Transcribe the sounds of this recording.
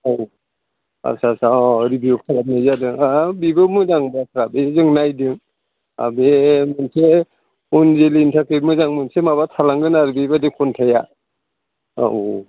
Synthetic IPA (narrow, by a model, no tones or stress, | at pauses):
aw | a̰sasaɔɾibiukʰalap̚nɯzadɯŋabibɯmɯdaŋbatʰɾabezɯŋnajdɯŋ | a̰bemɯnsʰe | unzeliːntʰakɾimɯzaŋmɯnsʰemaβatʰalaŋɡɯnaɾbibadikʰɔntʰaja